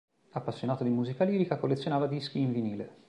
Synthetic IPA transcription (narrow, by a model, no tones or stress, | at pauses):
apːasːjonaːt̪od̪imuːzikaliːɾikakolːet̪sːjonaːvad̪iskiːɱviniːlḛ